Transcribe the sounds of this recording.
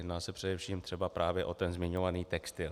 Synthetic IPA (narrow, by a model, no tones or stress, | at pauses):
jɛdnaːsɛpr̝̥ɛdɛfʃiːmt̪r̥ɛbapɾʔaːvjɛʔo̞t̪ɛnzmɪɲo̞vaniːt̪ɛkst̪ɪl